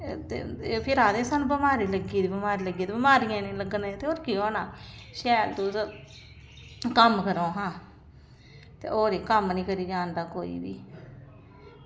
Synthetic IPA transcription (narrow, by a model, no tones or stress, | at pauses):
t̪ḛːepʰɪɾaːd̪ẽːsaːnũːbɪmaːɾiːləɡiːd̪iːbəmaːɾiːləɡiːd̪iːbɪmaːɾijãːnĩːləɡneːt̪eːoːɾkiːɦoːnaːʃɛːlt̪uːt̪ | kəmkəɾõːɦãː | t̪ḛːʔoːɾeːkəmnĩːkəɾiːɡaːnd̪aːkoːḭːbḭː